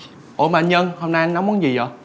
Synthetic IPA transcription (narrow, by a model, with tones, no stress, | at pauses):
ʔo̰˧˩˦ma̰ː˧˨nɲə˧nho˧mna˧jna˨˦ŋ͡ma˧˦nzi˨˩zɔ˨˩